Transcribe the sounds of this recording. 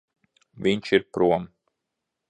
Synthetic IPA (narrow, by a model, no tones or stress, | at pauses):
vʲinʲt͡ʃiɾpɾuɔm